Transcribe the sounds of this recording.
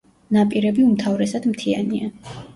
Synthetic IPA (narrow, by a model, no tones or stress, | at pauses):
napʼiɾɛbiumt̪ʰavɾɛsad̪mt̪ʰiania